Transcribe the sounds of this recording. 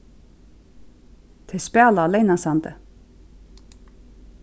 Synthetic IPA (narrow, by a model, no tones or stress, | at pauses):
t̪ʰɛspæːlaːlɛjnasant̪ə̰